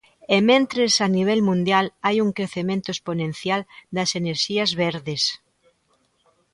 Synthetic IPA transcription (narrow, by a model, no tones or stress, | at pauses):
emẽnt̪ɾesɐniβ̞ɛlmũnd̪jalajuŋkɾeθemẽnt̪oesponẽnθjald̪ɐseneɾʃiɐzβeɾðes